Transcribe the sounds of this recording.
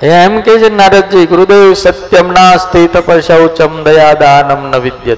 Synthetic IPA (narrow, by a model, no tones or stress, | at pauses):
ɐjãemkeːt͡ʃʰenːaːɾɐd̪̚d͡ʒiːɡuɾud̪eːʋsɐt̪jɐmnaːst̪ʰit̪ɐpɐɾʃɐwt͡ʃɐmd̪ɐjaːd̪aːnɐmnɐʋid̪jɐt̪